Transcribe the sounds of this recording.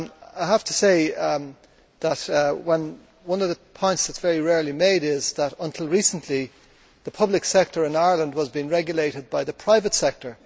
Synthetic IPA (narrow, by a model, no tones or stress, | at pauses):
aɪɦaftʰəseɪ | ðətwə̃n | wʌ̃nʌvðəpʰɔ̃ɪ̃ntsð̥ətsv̥ɛɹiɹɛɹlimeɪɾɪzðəɾə̃ntʰɪlˠɹisə̃n̩ʔli | ðəpʰʌblɨksɛk̚tə˞ɪ̃naɪə˞lə̃ndwɒzbĩnɹɛɡjəleɪɾɨd̚baɪðəpʰɹ̥aɪvətsɛk̚tʰə˞